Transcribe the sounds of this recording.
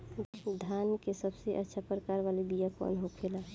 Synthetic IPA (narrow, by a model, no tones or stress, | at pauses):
d̪ʱaːnkesəbseʔətːʃʰapɾəkaːɾʋaːlibijakɔ̰nɦokʰela